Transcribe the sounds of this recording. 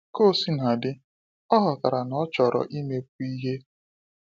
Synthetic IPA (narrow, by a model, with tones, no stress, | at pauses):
ko˦˨si˦na˨dɪ˦ | ɔ˦ɦɔ˨ka˨ɾa˨nɔ˦t͡ʃɔ˨ɾɔ̰˨ʔi˦me˦k̚u˦i˦ɦe˦